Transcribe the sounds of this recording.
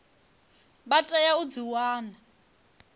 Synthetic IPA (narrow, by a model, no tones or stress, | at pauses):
batʼɛjaud͡ziwaːna